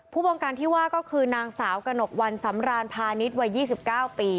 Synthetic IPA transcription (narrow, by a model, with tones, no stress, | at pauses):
pʰuː˥˩wɔː˧ŋkaː˧nt̪ʰiː˥˩waː˥˩kɔː˥˩kʰɯː˧naː˧ŋsaː˩˦wka˧no˨˩k̚wa˧nsa˩˦mɾaː˧npʰaː˧ni˦˥t̪̚wa˧jːiː˥˩si˨˩p̚kaː˥˩wpiː˧